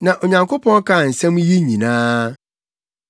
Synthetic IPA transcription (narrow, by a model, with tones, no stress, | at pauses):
nã˨ʔo˨ɲã˨ŋko˦pʰɔ̃˦n˦kʰa˦˨n̩˨sɛ̃˦m˦ji˦ɲĩ˨nãː˦